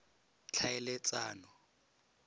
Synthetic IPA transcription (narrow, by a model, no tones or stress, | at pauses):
t͡ɬʰaɛlɛt͡sʼaːnɔ